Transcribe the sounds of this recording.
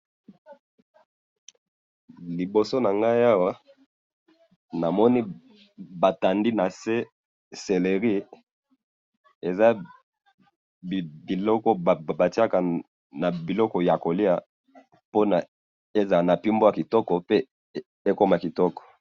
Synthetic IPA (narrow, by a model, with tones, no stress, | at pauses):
li˨bo˨so˦na˨ŋɡa˦ja˦wa˦ | na˨mɔ˦ni˦ | ba˨ta˨ndi˦na˨se˦ | se˨le˨ʁi˦ | e˨za˦ | bbi˨lɔ˦kɔ˦˨ba˨ti˦a˦ka˨ | na˨bi˨lɔ˦kɔ˨ja˨ko˨li˦a˨ | po˦na˨ | e˦za˨na˨pi˦mbo˦a˨ki˨tɔ˦kɔ˨pe˦ | e˦ko˦ma˨ki˨tɔ˦kɔ̥˨